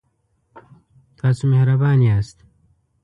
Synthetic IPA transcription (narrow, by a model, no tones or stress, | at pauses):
t̪ʰasumehɾɐbaːniaːst̪